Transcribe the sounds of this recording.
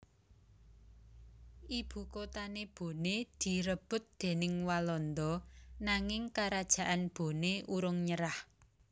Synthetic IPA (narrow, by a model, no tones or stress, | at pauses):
ʔib̥ṳkot̪aneb̥o̤ned̪̥i̤ɾəb̥ʊ̤t̪̚d̪̥e̤nɪŋwalɔnd̪ɔnaŋɪŋkaɾad̥ʒ̥a̤ʔanb̥o̤neʔuɾʊŋɲəɾah